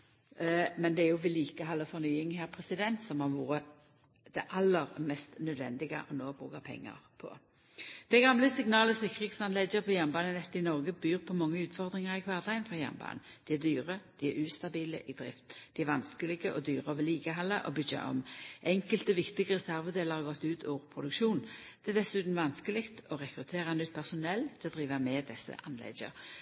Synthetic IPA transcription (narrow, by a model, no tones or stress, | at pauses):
mɛnd̪ɛæjʊʋɪliːkəɦɑlːəfɔnyːɪŋhæːʁpʰɾɛsɪd̪ɛnt̪sɔmhɑʋuːɾə | d̪̥ɛʔɑlːəʁmɛst̪nœd̪ʋɛ̰nd̪ɪɡə̰ʔɔnoːbʁṵːkəpʰɛ̰ŋːə̰ʁpʰɔ̰ | d̪̥ɛɡɑmləsɪŋnɑːləsɪkəʁeːt̪sɑnlɛdəpʰɔjæmbɑːnənɛt̪ːɪnɔʁɡəbyːʁpʰɔmɑŋːəʉːt̪fɔʁd̪ʁɪŋəʁɪkʰʋɑːʁd̪ɑɡənfʁɑjæ̰mbɑ̰ːnn | d̪̥iæd̪yːʁəd̪̥iæɾʉːst̪ɑbiːlə̰ʔid̪̥ɾɪ̰ft̪d̪ɪæʋɑnskəlɪɡəʔɔd̪yːʁəoːʋəliːkəɦɑlːəʔɔbʏɡə̰ɔ̰mʔɛŋkəlt̪əʋɪkt̪ɪɡəʁɛsæʁʋəd̪eːləʁhɑʁɡɔt̪ːʉːt̪ʰuːʁpʰʁʊd̪ʉkʃuːnd̪̥ɛɛd̪ɛsʉːt̪n̩ʋɑnskəlɪkt̪ɔʁɛkɾʉt̪ʰeːʁɑnʏt̪̚ːpʰæʁsʊnɛlːt̪ʰɛd̪ʁiːʋəmɛd̪ɛsːə̰ʔɑnlɛ̰ɡə̰ɾ